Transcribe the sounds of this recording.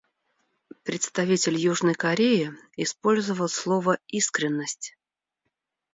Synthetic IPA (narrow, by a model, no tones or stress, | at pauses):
pɾʲɪt̪st̪ɐvʲitʲɪlʲjuʐnəjkɐɾʲeɪɪspo̞lʲzəvəlˠslˠovəiskɾʲɪnːəsʲtʲ